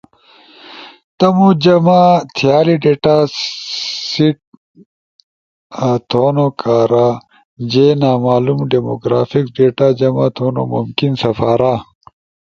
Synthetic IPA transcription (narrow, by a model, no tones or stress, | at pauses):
t̪ɐmud͡ʑɐmat̪ʰjaːliɖeːʈaː | siʈ̚ | t̪ʰoːnokʰaːɾa | d͡ʑenaːmaːlumɖemoɡɾaːfikɖeːʈaːd͡ʑɐmaːt̪ʰoːno̰mumkinsɐfaːɾa